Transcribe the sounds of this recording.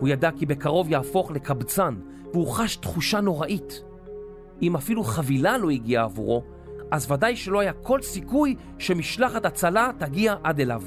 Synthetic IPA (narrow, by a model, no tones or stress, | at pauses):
hujadakibe̞kaʁo̞vjaːfo̞χle̞kʰabt͡san | veuχaʃtχuʃano̞ʁaʔit | imafiluχavilalo̞iɡiaːvṵʁo̞ | ʔazvadajʃelo̞ajakʰo̞lsikuj | ʃe̞miʃlaχatat͡salataɡiaʔade̞lav